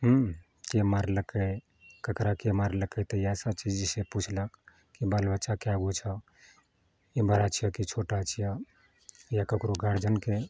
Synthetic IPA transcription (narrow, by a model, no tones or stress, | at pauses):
ɦu | kemaɾləkə | kəkɾakemaɾləkət̪əjasəb̚t͡ʃid͡ʒiseput͡ʃʰlək | kibalbətːʃakaɡut͡ʃʰə | ibəɾat͡ʃʰijəkit͡ʃʰoʈat͡ʃʰijə | jakəkɾoɡʱaɾd͡ʒənke